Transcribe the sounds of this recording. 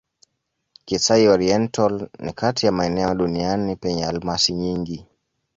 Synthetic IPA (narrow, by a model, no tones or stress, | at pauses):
kisaiɔɾiɛntalnḭkatijamaɛnɛɔɗunianipɛɲɛalmasiɲiŋɡi